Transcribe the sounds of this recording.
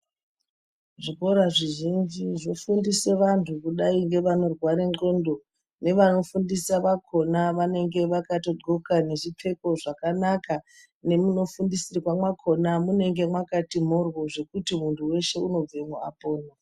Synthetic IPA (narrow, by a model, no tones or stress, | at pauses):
ʐiko̞ɾaʐiʒind͡ʒiʐo̞fundiseʋantʰukuɗaiŋɡe̞ʋano̞rwaɾeo̞ndo̞ | ne̞ʋano̞fundisaʋakʰo̞naʋane̞ŋɡe̞ʋakato̞ɡ͡ǃʱokane̞ʐip͡fe̞ko̞ʐakanaka | ne̞muno̞fundisirikwamwakʰo̞namune̞ŋɡe̞mwakatim̤orwo̞ʐe̞kutimuntʰuwe̞ʃe̞uno̞b͡vemoa̰po̞ːno